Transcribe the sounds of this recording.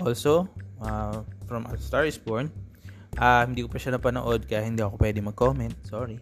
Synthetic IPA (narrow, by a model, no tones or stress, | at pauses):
ʔolsoafɹɐmʔɐ̰lst̪aɹsboɹn | ʔahɪnd̪iːkʊpɐʃanɐpɐno̰ʔo̞d̪̚kɐjahɪnd̪iːʔɐkopwɛːd̪ɪŋmɐɡ̚koːmɛnt̪̚soːɹi